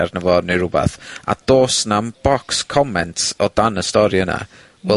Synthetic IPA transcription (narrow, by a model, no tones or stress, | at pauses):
arnəvɔdniɾʊbɛ̰θa̰d̥oːsnamb̥ɔkskʰɔmɛntsɔd̥anəstɔɾiəna̰ | wɛ